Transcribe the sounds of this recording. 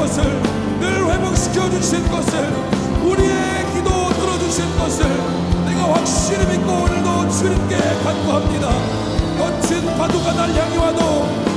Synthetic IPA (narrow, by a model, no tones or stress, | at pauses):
ʌsʰɯɭ | nɯɭɸwebok̚ɕʰi̥kʰjʌd͡ʑuɕʰinɡʌsʰɯɭ | uɾie̞ | kidotɯɾʌd͡ʑuɕʰinɡʌsʰɯɭ | neɡawak̚ɕ͈iɾimit̚k͈onɯɭdot͡ɕʰɯɾink͈ekanɡoɦamɲida | kʌt͡ɕʰinpadoɡanaɭjaŋiwado